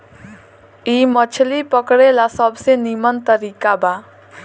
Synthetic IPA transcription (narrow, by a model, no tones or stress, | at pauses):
imʌt͡ʃʰlipʌkɽelasʌbsenimʌnt̪ʌɾikaba